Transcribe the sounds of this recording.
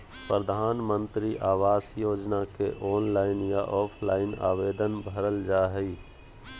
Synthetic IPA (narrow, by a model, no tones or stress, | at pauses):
pɾəd̪ʱaːnmə̃nt̪ɾiʔaːʋaːsjoːd͡ʒnakeʔoːnlaːɪnjaʔɔːpʰlaːɪna̰ːʋeːd̪ənbʱəɾəld͡ʒaːɦɛi